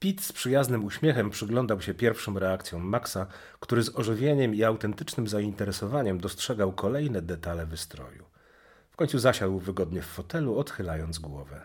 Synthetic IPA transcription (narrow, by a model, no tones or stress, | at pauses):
pʲit̪spʂɘjaznɘmuɕmʲjɛxɛmpʂɘɡlɔnd̪awɕɛpʲjɛɾfʂɔ̃w̃ɾɛakt̪sʲjɔ̃w̃ːaksa | kt̪uɾɘzɔʐɘvʲjeɲɛmiawt̪ɛnt̪ɘt͡ʂnɘmzaint̪ɛɾɛsɔvaɲɛmd̪ɔstʂɛɡawkɔlɛjn̪ɛd̪ɛt̪alɛvɘst̪ɾɔ̰jṵ | kɔɲ̃t̪suzaɕad̪wvɘɡɔd̪ɲɛfːɔt̪ɛluɔt̪xɘlajɔnd̪zɡwɔ̰vɛ